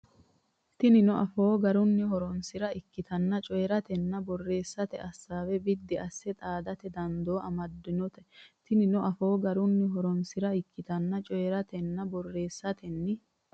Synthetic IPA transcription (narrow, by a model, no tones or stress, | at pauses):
t̪ɪnɪnɔʔɐfo̞ːɡɐɾʊnːɪhɔɾɔnsɪɾɐɪkːɪt̪ɐnːɐt͡ʃʼɔjɛɾɐt̪ɛnːɐbɔrːe̞ːsːɐt̪ɛ̰ʔɐsːaːwɛbɪd̪ːɪɐsːɛt̪ʼaːd̪ɐt̪ɛd̪ɐnd̪oːʔɐmɐd̪ːɪnɔt̪ɛt̪ɪnɪnɔʔɐfo̞ːɡɐɾʊnːɪɦɔɾɔnsɪɾɐɪkːɪt̪ɐnːɐt͡ʃʼɔjɛɾɐt̪ɛnːɐbɔrːe̞ːsːɐt̪ɛnːɪ